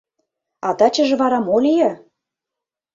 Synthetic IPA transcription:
ɑt̪ɑt͡ɕə̆ʒĕβɑɾɑmolʲijɤ

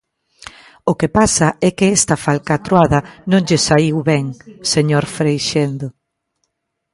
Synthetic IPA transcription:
okepasɐɛkɪɛst̪ɐfalkat̪ɾwaðɐnõŋʎesaiwβɛŋseɲoɾfɾejʃend̪o

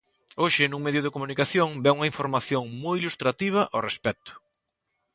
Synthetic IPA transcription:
oʃɪnũŋmeðjʊð̞ɪkomunikaθjoŋbɛuŋɐiɱfoɾmaθjoŋmojilust̪ɾat̪iβ̞ɐʔarespɛt̪ʊ̥

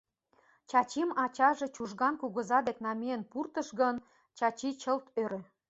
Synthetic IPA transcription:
t͡ɕɑt͡ɕimɑt͡ɕɑʒet͡ɕuʒɣɑnkuɣə̆zɑd̪eknɑmeənpurt̪ə̆ʃɣən | t͡ɕɑt͡ɕit͡ɕəlt̪øɾø

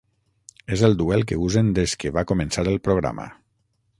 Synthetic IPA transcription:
ezelˠd̪uɛlˠkeuzend̪eskeβakomẽnsaɾelˠpɾoɣ̞ɾa̰ma̰

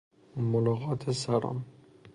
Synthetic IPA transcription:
molɔɣɑːt̪ʰesaɾɒ̰ːm

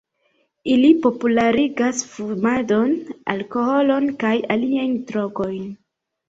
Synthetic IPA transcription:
ilipo̞pulaɾiɡasfuɾmado̞na̰lkoho̞lo̞nkajaliajntɾo̞ko̞jn

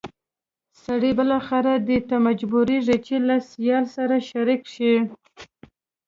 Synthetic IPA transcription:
saɽibəlɑxaɾad̪ət̪amad͡ʒbuɾiʐet͡ʃelasjɑlsaɾaʃaɾikʃi

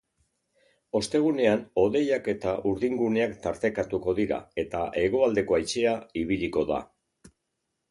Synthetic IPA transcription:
o̞st̪e̞ɣ̞une̞ano̞ðe̞jake̞t̪aʔuɾðiŋɡune̞akt̪aɾt̪e̞kat̪uko̞ðiɾa̰e̞t̪aʔe̞ɣo̞ald̪e̞ko̞ajt͡ʃe̞aiβ̞iʎiko̞ða̰

